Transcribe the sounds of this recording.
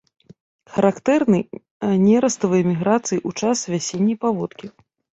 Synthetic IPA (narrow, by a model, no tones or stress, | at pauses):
xɐɾakt̪ɛrnɨj | ɐnʲɛɾɐst̪ɐvɐjɛmʲiɣɾat̪sɨjiʔut͡ʂasvʲasʲenʲːɐjpavɔt̪kʲi